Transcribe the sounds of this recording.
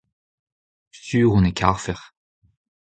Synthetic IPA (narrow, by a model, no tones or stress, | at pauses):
styːʁũnekʰaʁfɛʁ